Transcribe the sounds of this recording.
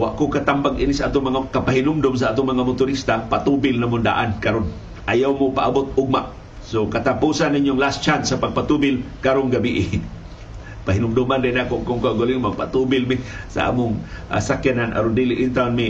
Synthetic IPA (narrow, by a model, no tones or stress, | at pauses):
wa̰ʔkokat̪ambaɡʔinisaʔaːt̪oŋmɐŋakapaɦɪnʊmd̪ʊms̬aʔaːt̪ʊŋmaŋamʊt̪ʊɾist̪apat̪ubɪlnamʊnd̪a̰ʔankaɾon | ʔajawmopaʔabot̪̚ʊɡ̚maʔ | sokat̪apuːsanːiɲjoŋlast͡ʃansapaɡ̚pat̪ubɪlkaɾonɡabiʔɪ | paɦinʊmd̪umand̪anakoŋkʊŋkaʊɡaliŋmaɡ̚pat̪ubɪlmɪsa̰ʔa̰mʊŋʔa̰sakjananʔa̰ɾond̪iliʔɪnt̪awnmi